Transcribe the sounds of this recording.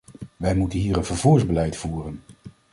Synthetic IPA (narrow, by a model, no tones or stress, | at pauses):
ʋɛjmutənɦiːɾənvəɹvuːɹzbəlɛjtfuːrən